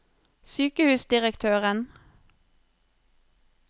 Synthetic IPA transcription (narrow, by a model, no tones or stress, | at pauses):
syːkəhʉːsd̪ɪʁəkt̪ʰøːʁən